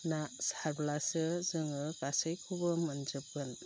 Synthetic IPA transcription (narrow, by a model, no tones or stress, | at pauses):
nasaɾblasɯzɯŋɯkasəjkʰubɯmɐnd͡ʒɯp̚kɯn